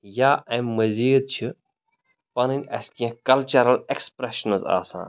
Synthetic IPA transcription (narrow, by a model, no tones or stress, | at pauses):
jaːɛ̃mːɐziːd̪̚t͡ʃʰi | pɐninʲɐ̰skiãkɐlt͡ʃɐɾɐlekspɾeʃɐnəza̰ːsã̰ː